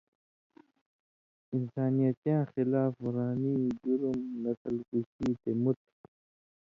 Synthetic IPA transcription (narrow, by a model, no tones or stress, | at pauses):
insaːnijɐt̪jãːxilaːfɾaːniːd͡ʑuɾumnɐsəlkusiːt̪emut̪̚